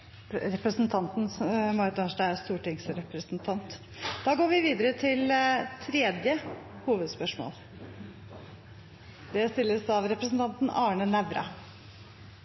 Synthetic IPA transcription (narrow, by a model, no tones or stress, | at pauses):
ɾɛpɾəsnt̪ʰɑnt̪n̩mɑɾt̪ɑʂɖææɾst̪uːʈɪŋsɾɛpɾəsnt̪ʰɑnt̪ | d̪ɑːɡoːɾʋɪʋiːd̪əɾət̪ʰɪlt̪ʰɾɛːd̪jəhuːʋəd̪spœʂmo̰ːl | d̪ɛst̪ɪlːəsɑʋɾɛpɾəsn̩t̪ɑnt̪nɑːɳənæʋɾɑ̰